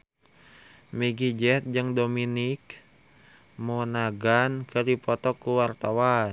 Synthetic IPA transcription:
miɡid͡ʒɛt̪̚d͡ʒɨŋdominik | monaɡankədipɔt̪ɔkuwart̪awan

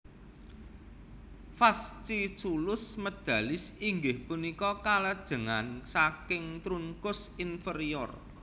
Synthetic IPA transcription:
fast͡ʃit͡ʃulʊsməd̪̥a̤lɪsiŋɡɪhpunikɔkalad̥ʒ̥ə̤ŋansakɪŋt̪ɾuŋkʊsinfəɾiɔr

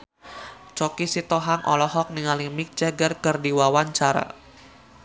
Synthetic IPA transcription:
t͡ʃɔkisit̪ɔɦaŋʔɔ̰lɔɦɔk̚niŋalimik̚t͡ʃaɡərkərdiwawaɲt͡ʃaɾa̰

